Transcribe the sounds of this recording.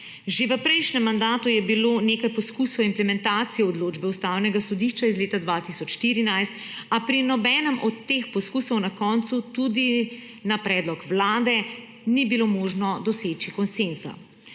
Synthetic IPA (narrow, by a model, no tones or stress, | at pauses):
ʒeʋəpɾɛjʃnɛmːand̪aːt̪ujɛbiloːneːkajpɔskuːsɔwimplɛmɛnt̪aːt̪sijɛɔd̪loːd͡ʒbɛust̪aːwnɛɡasɔd̪iʃt͡ʃaizleːt̪ad̪ʋat̪isɔt͡ʃʃt̪iɾinajst̪ | apɾinɔbɛːnɛmɔt̪ːeːxpɔskuːsɔwnakɔːnt̪sut̪ud̪i | napɾɛːd̪lɔkʋlaːd̪ɛ | nibilomoːʒnɔd̪ɔseːt͡ʃikɔnsensa̰